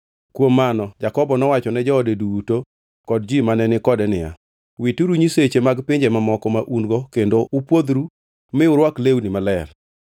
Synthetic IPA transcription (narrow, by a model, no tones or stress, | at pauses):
kwomːanɔd͡ʒakɔbɔnɔwat͡ʃɔnɛd͡ʒɔodeduwuto | kɔdd͡ʒimanɛnɪkɔdɛnɪja̰ | wituɾuɲiset͡ʃemaɡpɪɲd͡ʒemamɔkɔmaʔunɡɔkendoʔupwod̪ɾu | mɪʊɾwaklewnimalɛr